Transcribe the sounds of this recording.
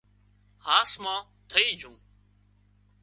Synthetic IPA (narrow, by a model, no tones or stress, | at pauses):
haːsmãː | t̪ʰəiːd͡ʒʱũː